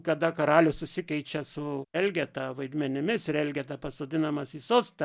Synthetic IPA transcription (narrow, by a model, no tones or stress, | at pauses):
kɐd̪ɐkɐɾɑːlʲʊsʊsʲɪkɛɪt͡ʃʲɛsʊɛlʲɡʲɛt̪ɐʋɐɪd̪ʲmʲɛnʲɪmʲɪsɾʲɛlʲɡʲɛt̪ɐpɐsoːd̪ʲɪnɐmɐsisoːst̪ɐ